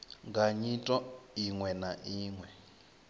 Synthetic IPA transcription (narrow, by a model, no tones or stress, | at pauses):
ŋɡaɲitʼɔiŋwɛnaʔiːŋwɛ